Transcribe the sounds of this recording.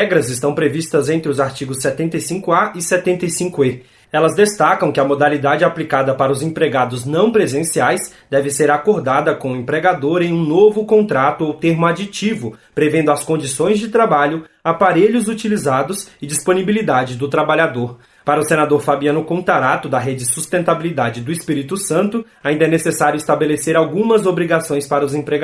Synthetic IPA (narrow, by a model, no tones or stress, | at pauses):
ɛɡɾɐzɪst̪ɐ̃w̃pɾevist̪ɐzẽnt̪ɾɪʊzaɾt͡ʃiɡʊsːɛt̪ẽnt̪ejsĩŋkʊaʔɪsɛt̪ẽnt̪ejsĩŋkʊe | ɛlɐzd̪est̪akɐ̃w̃kɪɐmod̪alid̪ad͡ʒɪaplikad̪ɐpaɾɐʊzẽpɾeɡad̪ʊznɐ̃w̃pɾezẽsiajsd̪ɛvɪseɾakoɾd̪ad̪ɐkõẽmpɾeɡad̪oɾẽj̃ũnovʊkõnt̪ɾat̪ʊowt̪eɾmʊad͡ʒit͡ʃivʊpɾevẽnd̪ʊaskõnd͡ʒisõj̃zd͡ʒɪt̪ɾabaʎʊ | apaɾeʎʊzut͡ʃilizad̪ʊsɪd͡ʒispõnibilid̪ad͡ʒɪd̪ʊt̪ɾabaʎad̪oɾ | paɾɐʊsẽnad̪oɾfabiɐ̃nʊkõnt̪aɾat̪ʊd̪ɐɦed͡ʒɪɪsust̪ẽnt̪abilid̪ad͡ʒɪd̪ʊispiɾit̪ʊsɐ̃nt̪ʊ | aĩd̪ɐɛnesesaɾjʊist̪abeleseɾawɡũmɐzobɾiɡasõj̃spaɾɐʊzẽpɾeɡ